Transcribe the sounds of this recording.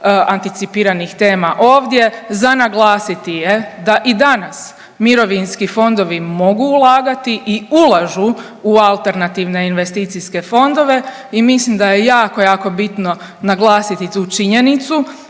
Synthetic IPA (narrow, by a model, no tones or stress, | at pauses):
ant̪it̪sipiːɾanixt̪e̞ːmaʔo̞ːʋd̪je̞zanaɡlˠaːsit̪ije̞d̪aʔid̪anas | miɾo̞ʋinskifo̞nd̪o̞ʋimo̞ɡuːlˠaːɡat̪iʔiulˠaʒu | ualˠt̪e̞ɾnat̪iʋne̞inʋe̞st̪iːt̪siske̞fo̞nd̪o̞ʋe̞ | imislimd̪ajejaːkojaːko̞bit̪no̞ | naɡlˠaːsit̪it̪uːt͡ʃiɲe̞nit̪su